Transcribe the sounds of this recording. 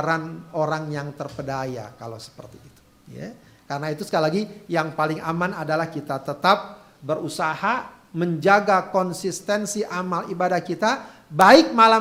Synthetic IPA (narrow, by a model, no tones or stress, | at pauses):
ɾanoɾaŋjaŋt̪ərpədaja̰kalasə̥pə̰rt̪iːt̪u̥ | ja̰ | kaɾənait̪usəkalilaɡijaŋpalɪŋamanadalahkit̪at̪ət̪ap̚ | bəɾusaha | məɲd͡ʒaɡakɔnsist̪ɛnsiʔamalibadahkit̪a | baɪk̚mala